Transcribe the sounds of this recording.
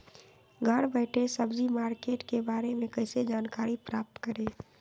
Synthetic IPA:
ɡʱəɽbəɪʈesəbd͡ʒimaːɾkeːʈkebaːɾemẽkəɪsed͡ʒaːnkaːɾipɾaːp̚t̪kəɾeː

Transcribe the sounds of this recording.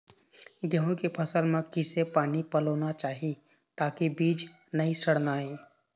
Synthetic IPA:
ɡəɦõkepʰəsəlmẽkɪsepaːnipəloːnat͡ʃaːɦi | t̪aːkibiːd͡ʒ | nəĩsəɽnaɦiː

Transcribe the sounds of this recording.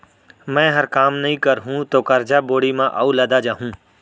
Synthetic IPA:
mɛ̃ːɦɐɾkaːmnɐɦĩkəɾɦũt̪oːkɐɾd͡ʒaboːɽimãʔaulad̪ad͡ʒaːɦũː

